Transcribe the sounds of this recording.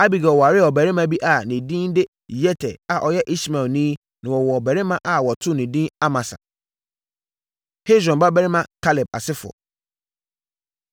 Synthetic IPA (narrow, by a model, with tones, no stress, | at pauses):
a˦bi˨ɡɔ˨ɔ˨wɔ˨a˨ɾɪ˦˨ɔ˨bæ˨ɾɪ̃˦mã˦bi˦ʔa˨nĩ˨dĩ˦n˦dɪ˦ | jɛ˦tʰɛ̰˨a˨ʔɔ˨jɛ˦ʔi˦sma˨lnĩ˦ | nã˨wɔ˨wɔ˨ɔ˨bæ˨ɾɪ˦mã˦ʔa˨wɔ˨tʰʊ˦nĩ˨dĩ˦a˦mã˨sa̰˨ | he˦dɾɔ̃˨mba˦bɛ˦ɾɪ˦mã˨kʰa˦lɛ˨b̚a̰˨sɪ˦fʊ̰˨ɔ̰˨